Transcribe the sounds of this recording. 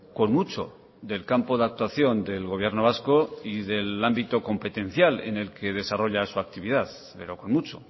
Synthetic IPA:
ko̞nmut͡ʃo̞̰ | ðe̞lkampo̞ðak̚t̪waθjo̞nd̪e̞lɣo̞β̞je̞ɾnoβasko̞iðe̞lambit̪oko̞mpe̞t̪e̞n̟θjale̞̰ne̞lkʰe̞ð̞e̞saro̞ʎasuak̚t̪iβ̞ið̞aθ | pe̞ɾoko̞nmut͡ʃo

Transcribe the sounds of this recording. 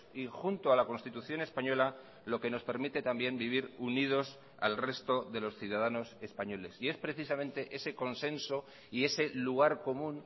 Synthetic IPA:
ixunt̪oalako̞nst̪it̪uθjo̞ne̞spaɲo̞la | lo̞ke̞no̞spe̞ɾmit̪e̞t̪ambje̞mbiβ̞iɾunið̞o̞s | a̰lre̞st̪o̞ðe̞lo̞sθjuð̞aðano̞se̞spaɲo̞le̞sie̞spɾeθisamẽ̞nt̪e̞ʔe̞se̞ko̞nse̞nso̞ | ie̞se̞luɣ̞aɾko̞mũn

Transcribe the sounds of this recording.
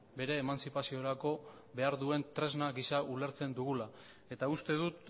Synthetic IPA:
be̞ɾe̞ːmansipasio̞ɾako̞ | be̞aɾðue̞nt̪ɾe̞znaɣisaule̞ɾt͡se̞nd̪uɣ̞ula | e̞t̪aust̪e̞ðut̪̚

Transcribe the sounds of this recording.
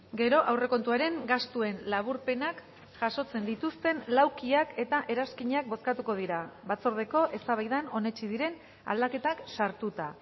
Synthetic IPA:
ɡe̞ɾo̞ʔawre̞ko̞nt̪uaɾe̞ŋɡast̪ue̞nlaβ̞uɾpe̞nak | ʝaʃo̞t͡se̞nd̪it̪ust̪e̞nlawkiake̞t̪aʔe̞ɾaskiɲeak̚bo̞skat̪uko̞ð̞iɾaβat͡so̞ɾð̞e̞ko̞ʔe̞st̪aβajðano̞ne̞t͡ʃiðiɾe̞n | a̰ld̪ake̞t̪aksaɾt̪ut̪a

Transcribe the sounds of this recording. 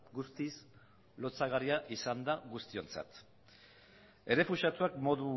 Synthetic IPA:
ɡust̪is | lo̞t͡saɣariaʔisand̪aɣust̪io̞nt͡sa̰t̪ | e̞re̞fusat̪uakmo̞ðu

